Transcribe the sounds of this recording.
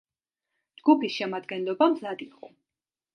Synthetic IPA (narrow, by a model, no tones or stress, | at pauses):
d͡ʒɡupʰisʃɛmad̪ɡɛnlɔbamzad̪iqʼɔ